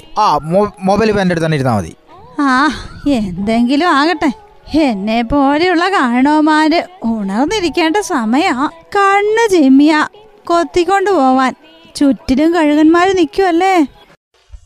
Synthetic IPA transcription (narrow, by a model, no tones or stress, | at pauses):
aːmomobɐjlpendeɽut̪ɐnːeiɾunːa̰ːmɐ̰ðḭ | aːe̞nd̪e̞ŋɡilumaːɣɐʈːe | enːe̞pːo̞ːlejuɭːɐkaːɻɐɳoːmaːɾɨuɳɐrnːiɾikʲːe̞ːɳɖɐsɐmɐjɐmkɐɳːɨd͡ʑemːijaː | ko̞t̪ːikʲːo̞ɳɖɨpo̞ːʋaːn | t͡ɕutːilumkɐɻuɣɐnmaːɾunikʲːuʋɐlːeː